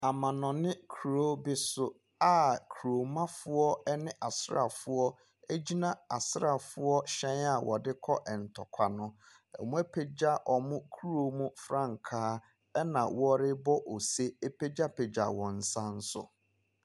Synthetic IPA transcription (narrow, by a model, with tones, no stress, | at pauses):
a˨mã˨nɔ̃˨nɪ̃˦kʰu˨ɾo˦bɪ˦sʊ˦ | a˦˨kʰu˨ɾo˨mã˦fʊ˦ɔ˦ɛ˦nɪ̃˦ʔa˨sɾa̰˨fʊ˦ɔ˦ | e˦d͡ʑi˦nã˦a˨sɾa˨fʊ˦ɔ˦ɕɛ̃˦na˨wʔɔ̰˨dɪ˦kʰɔ˦ʔɛ˨n̩˨tʰɔ˨kʰʷa˨nʊ̃˦ | ɛ̰˨mʊ̃˦e˦pʰe˦d͡ʑa˦ʔɔ˨mʊ̃˦kʰu˦ɾo˦mũ˦fɾã˦˨ŋ˨kʰaː˦ | ɛ˦nã̰˨wɔ˦ɾɪ˦bɔ˦ʔo˨se˦e˦pʰe˦d͡ʑa˦pʰe˨d͡ʑa˨wɔ̃˨n̩˨sã˦n̩˦sʊ̰˦